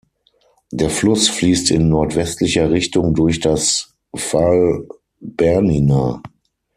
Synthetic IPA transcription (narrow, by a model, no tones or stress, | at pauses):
d̥eːɐflʊsfliːstɪnːɔɐtv̥ɛstʰlɪçɐʁɪçtʊŋdʊɐçd̥as | fal | b̥ɛɐninaː